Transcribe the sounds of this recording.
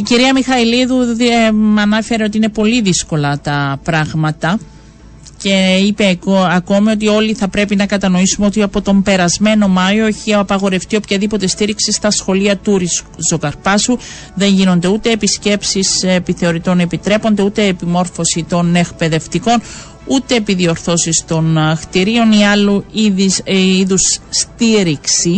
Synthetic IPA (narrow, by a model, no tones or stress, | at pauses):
iciɾiɐmixɐiliðumɐnɐfe̞ɾe̞o̞t̪̬iine̞po̞liðisko̞lɐt̪ɐpɾɐɣmɐt̪ɐ | ce̞ipe̞ɐko̞mio̞t̪̬io̞liθɐpɾe̞pinɐkɐt̪ɐno̞isume̞o̞t̪iɐpo̞t̪o̞mbe̞ɾɐzme̞no̞mɐjo̞eçiɐɐpɐɣo̞ɾe̞ft̪io̞pçɐðipo̞t̪e̞st̪iɾiksist̪ɐsxo̞liɐt̪uɾiszo̞kɐɾpɐsu | ðe̞ɲʝino̞nd̪e̞ut̪e̞ːpisce̞psisepiθe̞o̞ɾit̪o̞ne̞pit̪ɾe̞po̞nd̪e̞ut̪e̞ːpimo̞ɾfo̞sit̪o̞ne̞kpe̞ðe̞ft̪iko̞n | ut̪e̞ːpiðio̞ɾθo̞sist̪o̞nxt̪iɾio̞niɐluiiiðusːt̪iɾiksi